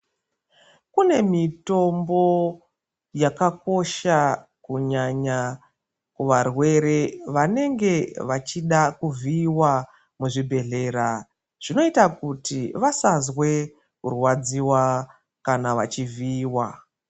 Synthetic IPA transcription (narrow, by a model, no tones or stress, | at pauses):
kune̞mito̞mbo̞ | jakako̞ʃakuɲaɲa | kuʋarwe̞ɾe̞ʋane̞ŋɡe̞ʋat͡ʃiɗakuviːwa | muʐibʱe̞ɮe̞ːra | ʐ̥ino̞itakutiʋasazwe̞ | kṵrwad͡ziwa | kanaʋa̰t͡ʃiviːwa